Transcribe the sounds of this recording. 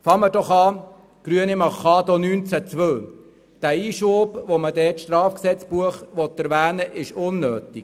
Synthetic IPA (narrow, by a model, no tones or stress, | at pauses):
fɑŋmədɔχɑː | ɡ̥ɾyənɪmɑχɑːd̪ɔnyːnt͡sæt͡sʋœl | d̥æːiːʃoːbʋomədɛːtʃtɾɑːfksɛt͡spuəχʋɔt̪ːæɾʋæːnəʔɪʃʊnːøːt̪ik